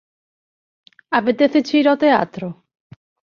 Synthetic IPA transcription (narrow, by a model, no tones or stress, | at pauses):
apet̪eθet͡ʃiɾot̪ea̰t̪ɾo